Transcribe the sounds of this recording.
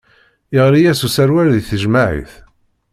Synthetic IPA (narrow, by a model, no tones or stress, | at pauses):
ɪʁɾijæsusæɾwæɾðiθəʒmaʕḭθ